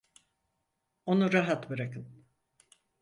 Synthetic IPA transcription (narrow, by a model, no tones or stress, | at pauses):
onuɾaɦat̪bɯɾakɯn